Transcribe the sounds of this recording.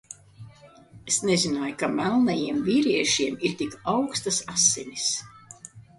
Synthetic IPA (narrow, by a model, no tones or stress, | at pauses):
esnezinajkamælˠnajiɛmviːɾiɛʃiɛmiɾt̪ʲikawkst̪asasːeɲis